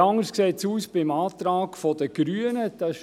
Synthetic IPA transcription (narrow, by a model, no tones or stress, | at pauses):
ɑŋəskseːt̪suːsb̥ɪmɑːt̪ɾɑːɡ̥fɔd̥̪əɡ̥ɾyːənəd̥̪ɑ